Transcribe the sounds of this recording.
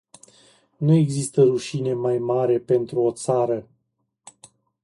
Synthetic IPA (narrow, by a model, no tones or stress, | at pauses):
nue̞ɡzist̪əɾuʃine̞majmaɾe̞pe̞nt̪ɾuo̞t̪saɾə